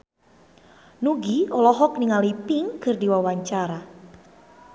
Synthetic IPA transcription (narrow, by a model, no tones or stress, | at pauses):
nuɡiɔlɔɦɔk̚niŋalipiŋkɨrdiwawaɲt͡ʃaɾa